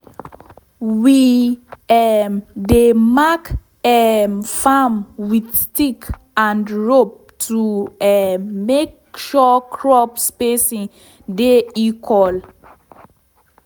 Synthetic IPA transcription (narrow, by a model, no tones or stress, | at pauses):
wi | ɛmdemak | ɛmfamwidstik | ãndɹop̚tʰuɛmek̚ | ʃɔkʰɹɔpspesĩ | deikʰɔl